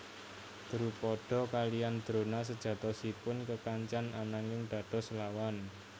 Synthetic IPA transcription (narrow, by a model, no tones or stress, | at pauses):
d̪̥ɾupɔɖ̥ɔ̤kalijand̪̥ɾo̤nas̬əd̥ʒ̥ä̤t̪ɔsipʊnkəkaɲt͡ʃananaŋɪŋɖ̪̥a̤ɖ̥ɔ̤səlawan